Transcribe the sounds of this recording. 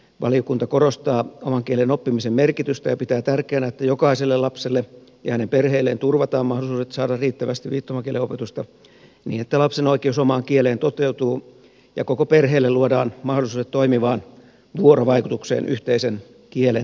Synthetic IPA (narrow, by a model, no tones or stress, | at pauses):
ʋɑ̰liokunt̪ɑkoɾost̪ɑːomɑŋkielenopːimisemmerkit̪yst̪æjɑpit̪æːt̪ærkeænæet̪ːæjokɑiselːelɑpselːejɑ̰hænemperheːlːḛːnt̪urʋɑt̪ɑːmɑhdolˑisuːset̪sɑːdɑrriːt̪ːæʋæst̪iʋʋiːt̪ːomɑkieleopet̪ust̪ɑ | nḭːnet̪ːælɑpsenoikˑeusomɑːŋkieleːnt̪ot̪eut̪uː | jɑ̰kokoperɦeːlːeluodɑːnmɑhdolˑisuːdet̪toimiʋɑːn | ʋuoɾoʋɑikut̪uksḛːnʔyht̪eisen | kiele